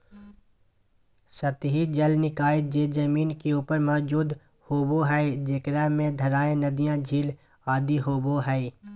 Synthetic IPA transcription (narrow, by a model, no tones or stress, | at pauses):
sət̪ɦid͡ʒəlnɪkaːɪd͡ʒeːd͡ʒɐmiːnkeuːpəɾmɔːd͡ʒuːd̪ | hoːboɦɛed͡ʒeːkɾɛmẽd̪ʱɐɾaːẽnɐd̪ijãd͡ʒʱiːl | aːd̪iɦoːboɦɛi